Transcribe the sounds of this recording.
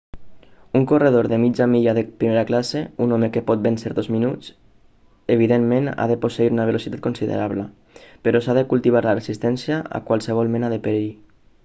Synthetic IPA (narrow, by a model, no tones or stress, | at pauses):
uŋkoreð̞oɾðemid͡ʒamiʎaðepɾimeɾaklaseunɔmekepɔt̪̚benseɾðozminut͡s | eβ̞iðemmena̰ðəposeiɾunəβ̞elosit̪at̪konsiðḛɾaβlə | pəɾɔsaðəkulˠt̪iβaɾləresist̪ɛnsjaa̰kwalˠsəβɔlˠmenaðepeɾi